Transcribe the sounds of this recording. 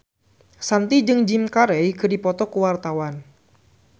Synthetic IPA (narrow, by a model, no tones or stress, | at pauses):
sant̪id͡ʒɨŋd͡ʒɪmkaɾɛjkədipɔt̪ɔkəwart̪awan